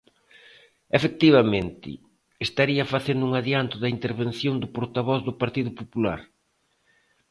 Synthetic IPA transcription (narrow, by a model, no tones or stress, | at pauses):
efek̚t̪iβamẽnt̪ɪ̰ | est̪aɾiɐfaθend̪ʊuŋaðjant̪ʊðɐint̪eɾβen̟θjond̪ʊpoɾt̪aβɔθðʊpaɾt̪iðʊpopula̰ɾ